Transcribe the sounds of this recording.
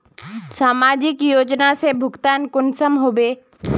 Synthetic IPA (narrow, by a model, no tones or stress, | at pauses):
saːmaːd͡ʒɪkjoːd͡ʒnasebʱʊɡt̪aːnkʊnsəmɦobeː